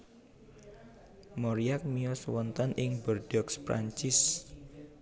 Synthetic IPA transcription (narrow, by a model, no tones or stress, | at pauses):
mɔɾiak̚miɔswɔnt̪ɔnʔɪŋbərɖ̥ɔkspɾa̰ɲt͡ʃɪs